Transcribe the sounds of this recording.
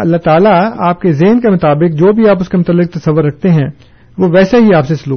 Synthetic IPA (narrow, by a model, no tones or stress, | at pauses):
ɐ̰lːaɦt̪aːlaaːp̚kezeːnkemʊt̪aːbɪk̚d͡ʒoːbʱiaːp̬ʊskemʊt̪əlːɪk̚t̪ɐsɐʋːʊɾːɐk̚ʰt̪eɦɛ̃ | ʋoʋɛːseɦiaːpseɪsʊluː